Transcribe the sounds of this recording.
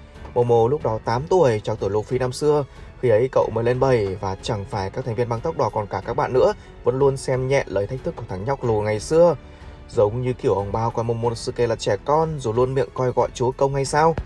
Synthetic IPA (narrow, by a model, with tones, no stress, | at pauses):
mo˨˧˩mo˨˧˩lʊ˦˥k͡p̚ɗɔ˨˦t̪aː˨˦mt̪u˧˩əjt͡ɕɔ˧˩wt̪ɨ˧˩˨lu˧˩fi˧naː˧msɨ˧əxi˧ʔə˨˦jkə̰˧˨wməː˨˦le˧nɓə˨˩jvaː˨˩t͡ɕa˧˩ŋfaː˧˩jkaː˦˥kt̪ʰŋ̟vi˧ə˧nɓa˧ŋt̪a˦˥wk͡p̚ɗɔ˧˩kɔ˨˩nkaː˧˩kaː˦˥k̚ɓa̰ː˧˨nːɨ̰˧˥ə | və̰˧˥nlu˧ənsɛ˧mɲɛ̰˧˨ləː˨˩jt̪ʰa˦˥k̚t̪ʰkːu˧˩t̪ʰa˧˩ŋɲa˦˥wk͡p̚lu˨˩ŋa˨˩jsɨ˧ə | zə˨˦wŋ͡mɲɨ˧ki˧˩əwʔə˨˩ŋ͡mɓaː˧wkwaː˧jmo˧˩mo˨˧˩nsɨ̰˧˨ke˧˩laː˨˩t͡ɕɛ˧˩kɔ˧nzo˨˩lu˧ənmḭ˧˨ənkɔ˧jɣɔ̰˧˨jt͡ɕu˨˦əkə˧wŋ͡mha˧jsaː˧w